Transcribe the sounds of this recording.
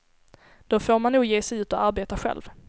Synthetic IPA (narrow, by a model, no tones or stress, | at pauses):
d̪̥ofoːɾmanːuːɡjeːsɛjʉ̟ːt̪ɔaɾbeːt̪aɧɛ̰lv